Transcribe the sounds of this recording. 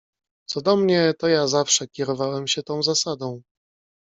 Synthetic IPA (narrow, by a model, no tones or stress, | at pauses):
t̪sɔd̪ɔmɲɛt̪ɔjazafʂɛkʲɛɾɔvawɛmɕɛt̪ɔ̃w̃zasad̪ɔ̃w̃